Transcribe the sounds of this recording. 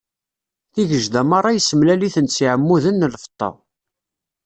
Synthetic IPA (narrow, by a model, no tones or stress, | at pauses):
θiʝəʒd̪æmɑɾˤɑjəsəmlæliθənsiʕəmːuðənːəlfə̥t̪ˤːɑ̰